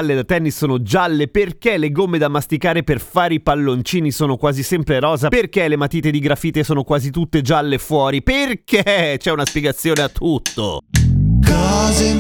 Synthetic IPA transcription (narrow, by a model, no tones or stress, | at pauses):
lːed̪at̪ɛnːisːoːnod͡ʒalːeperkeleɡomːed̪amːast̪ikaːɾeperfaːɾeipalːont͡ʃiːnisoːnokwaːzisɛmpɾeɾɔːzaperkelemat̪iːt̪ed̪iɡɾafiːt̪esoːnokwaːzit̪ut̪ːed͡ʒalːefwɔːɾiperkʰet͡ʃɛunaspjeɡat̪sːjoːneat̪ʰːut̪ːo̰ | kɔze